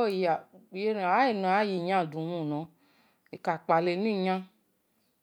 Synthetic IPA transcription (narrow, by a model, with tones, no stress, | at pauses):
o˦˨ja˨je˦n˨a˦e˨nũ˨a˨˦ji˨ɲã˦˨du˨mũ˦˨nɔ̃˨˦ | e˨ka˨k͡pa˨le˨˦nũ˦i˦˨ɲã˦